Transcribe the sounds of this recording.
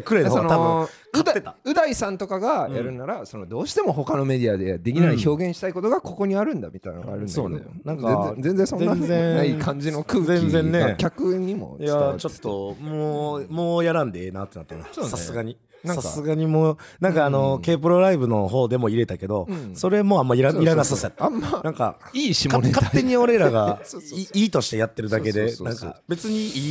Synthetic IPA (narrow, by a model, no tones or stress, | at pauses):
kɯ̟ɾe̞nooɡanot̪abɯ̃ | kɯt̪tːe̞t̪aɯ̟d̪aisãnt̪o̞kaɡajaɾɯ̟naɾaso̞no̞d̪o̞ːɕi̥t̪e̞mo̞ɦo̞kano̞me̞d̪ʲiad̪ed̪e̞kʲinaiço̞ːɡẽɕi̥t̪aiko̞t̪o̞ɡako̞ko̞ɲ̟iaɾɯ̟̃nd̪amʲit̪ainano̰ɡa̰ɾɯ̟nsoːnḛo̰nãŋkãẽzẽ̞nzẽsonzẽazẽnaikʰãɲ̟d͡ʑino̞kɯ̟ːzẽnzẽ̞nːekʲakɯɲ̟ːimo̰jat͡ɕo̞t̪ːo̞moːmo̞ːjaɾãnd̪eeːnat̪ːe̞nat̪ːanaosasɨɡaɲ̟i | nãsassɨɡaɲ̟imo̞ːnãŋkaːno̞ke̞ːp̬ɯɾo̞ɾaibɯ̟no̞ɦo̞ːd̪e̞mo̞iɾe̞t̪ake̞d̪o̞so̞ɾe̞mo̞amːaiɾaiɾanasasemːanãŋka̰iːɕimkaonekat̪ːe̞ɲ̟io̞ɾe̞ɾaɡaiiːt̪o̞ɕi̥t̪e̞jat̪ːe̞ɾɯ̟d̪ake̞d̪e̞nãŋka̰be̞t͡sɨɲ̟iiː